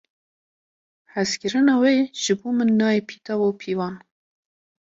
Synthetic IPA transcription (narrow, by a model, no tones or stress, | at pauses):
hæzkʲɨɾɨnɑweːʒ̥ɨboːmɨnːɑːepʰiːt̪ʰɑvowpʰiːvɑːn